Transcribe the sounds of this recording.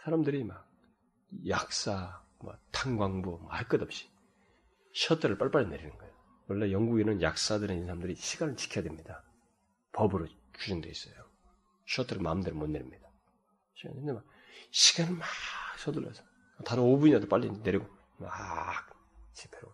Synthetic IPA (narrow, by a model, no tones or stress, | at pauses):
sʰaɾamdɯɾimak̚ | jak̚s͈a | mwʌ̰tʰaŋɡwaŋbumʌ̰hek͈ʌdʌp̚ɕ͈i̥ | ɕʰʌtʰɯɾɯɭp͈aɭp͈aɭːineɾinɯnɡʌeo | wʌɭːejʌŋɡuɡenɯnja̰k̚s͈adɯɾɯinɯnsʰaɾamndɯɾiɕʰiɡanɯɭt͡ɕi̥kʰijadwemɲida | pʌbɯɾo | t͡ɕud͡ʑʌŋdwe̞is͈ʌjo | ɕʰʌtʰɯɾɯɭmaɯmdɯɾɯmonːeɾimɲid̥a | ɕʰiɡa̰nndemak | ɕʰiɡ̥anɯɭmaksʰʌdɯlːʌ̰sʰʌ̥ | taɾɯnobuɲiadop͈alːine̞ɾiɡo | mak | t͡ɕʰipʰeɾo̰